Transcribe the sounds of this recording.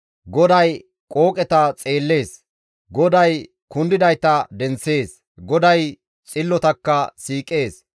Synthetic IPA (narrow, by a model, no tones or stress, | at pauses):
ɡɔd̪ɐj | kʼo̞ːkʼɛt̪ɐt͡sʼe̞ːlːe̞ːs | ɡɔd̪ɐj | kʊnd̪ɪd̪ɐjt̪ɐd̪ɛnse̞ːs | ɡɔd̪ɐj | t͡sʼɪlːɔt̪ɐkːɐsiːkʼːe̞ːs